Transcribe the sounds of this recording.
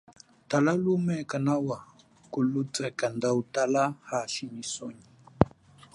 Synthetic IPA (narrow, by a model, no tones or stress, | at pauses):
talalumɛkanawa | kulut͡sɛkandautalahaʃimisɔɲi